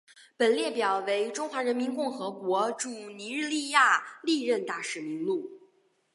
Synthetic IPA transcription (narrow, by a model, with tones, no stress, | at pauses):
pə˨˩nljɛ˥˩pjɑ˨˩ʊwe˧˥ɪʈ͡ʂʊ˥ŋxwa˧˥ɻə˧˥nmi˧˥nkʊ˥˩ŋxɤ˧˥kwɔ˧˥ʈ͡ʂu˨˩ni˧˥ɻ̩˥˧li˥˧ja˥˩li˥˧ɻə˥˧nt̪a˥˩ʂɻ̩˨˧˩mi˧˥ŋlu˥˩